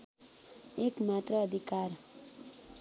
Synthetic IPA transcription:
ekmat̪rʌːd̪ʱikar

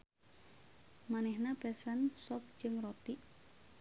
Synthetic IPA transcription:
manɛhnabɛsansɔp̚d͡ʒɨŋrot̪iʔ

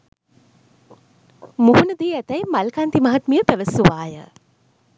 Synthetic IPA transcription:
muɦunəd̪iːæt̪æjmalkant̪imaɦat̪mijəpæʋəsuʋaːjə̰

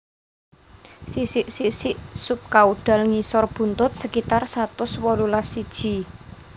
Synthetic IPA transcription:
sisɪʔsiʔsɪʔsʊp̚kauɖ̥a̤lŋisɔrb̥ṳnt̪ʊt̪̚səkit̪arsat̪ʊswɔɾulasid̥ʒ̥i̤

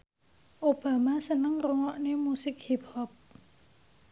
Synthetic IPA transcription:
ʔob̥a̤masənəŋroŋɔʔnemusɪk̚hiphɔp̚

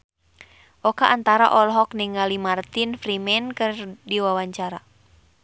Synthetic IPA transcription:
ʔɔkaʔant̪aɾa̰ʔɔlɦɔkniŋalimart̪infɾimɛnkɨrdiwawaɲt͡ʃaɾa

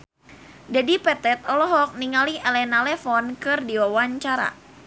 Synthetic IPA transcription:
d͡ʒadipɛt̪ɛt̪̚ɔlɔɦɔk̚niŋaliɛlɛnalɛfɔnkɨrdiwawaɲt͡ʃaɾa̰

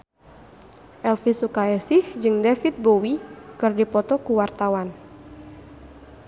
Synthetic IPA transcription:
ʔɛlfisukaɛsɪhd͡ʒɨŋdefit̪̚bowikɨrdipɔt̪ɔkuwart̪awan

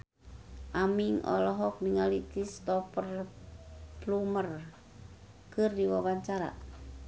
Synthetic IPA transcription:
ʔamiŋɔ̰lɔɦɔk̚niŋalitist̪ɔpər | plumər | kɨrdiwabaɲt͡ʃaɾa̰

